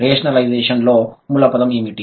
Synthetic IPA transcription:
ɾeːʃɐnɐlɐjd͡ʒeːʂɐnloːmulɐpɐd̪ɐmimiʈi

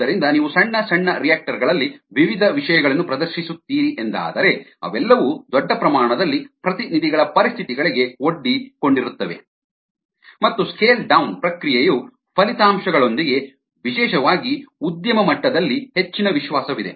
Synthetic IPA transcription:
ɐɾind̪ɐniːʋusɐɳːɐsɐɳːɐɾijaːk̚ʈɐɾɡɐɭɐlːiʋiʋid̪ʱɐʋiʂɐjɐɡɐɭɐnːupɾɐd̪ɐɾʃisut̪ːiːɾiʔend̪a̰ːd̪ɐɾe̞ɐ̰ʋɛlːɐʋud̪ɔɖːɐpɾɐmaːɳɐd̪ɐlːipɾɐt̪inid̪iɡɐɭɐpɐɾist̪ʰit̪iɡɐɭiɡe̞o̞ɖːikoɳɖiɾut̪ːɐʋe̞̰ | mɐt̪ːuskeːlɖɐwunpɾɐkɾijeju | pʰɐlit̪aːmʃɐɡɐɭo̞nd̪iɡe̞ | ʋiʃɛːʃɐʋaːɡiud̪jɐmɐmɐʈːɐd̪ɐlːihe̞t͡ʃːinɐʋiʃʋaːsɐʋid̪e̞̰

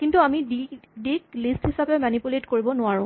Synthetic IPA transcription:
kintuamiidiklisthisapɛmanipjuletkoɹibɔnʊaɹʊ̃

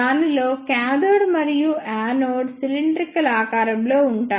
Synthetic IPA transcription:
aːnilo̞ːkaːd̪oːɽmɐɾijuaːnoːɖsiliɳɖɾikɐlaːkaːɾɐmlo̞ːuɳʈaː

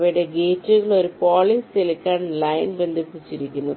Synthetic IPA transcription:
ʋɐjɽe̞ɡeːtːuɣɐɭo̞ɾupoːɭiːselikʲːaːɳlɐjnbe̞nd̪ʱipːit͡ɕːiɾikʲːunːu

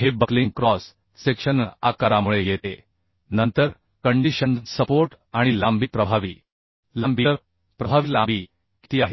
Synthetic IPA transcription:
ɦebəkliŋɡkɾɔs | sekʂəna̰kaɾamuɭejet̪e | nənt̪əɾ | kəɳɖiɕənsəpoɾʈ | aɽ̃ilambʱiːpɾəbʱaʋiː | lambʱiɾ | pɾəbʱaʋilambʱiː | ki̥t̪iːaɦe

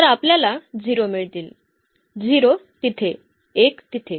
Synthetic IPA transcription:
t̪əɾapljalad͡ʑiɾomiɭt̪iːl | d͡ziɾot̪it̪ʰe | ekt̪it̪ʰe

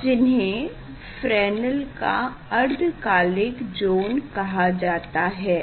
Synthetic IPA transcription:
d͡ʒɪnɦẽ | fɾɛːnəlka̰ | ɐɾd̪kaːlɪkd͡ʒoːnkɐɦad͡ʒaːt̪aɦɛː

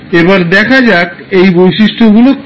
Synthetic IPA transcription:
ebaɾd̪ɛkʰad͡ʑak | ejbojʃiʃʈʰoɡulo

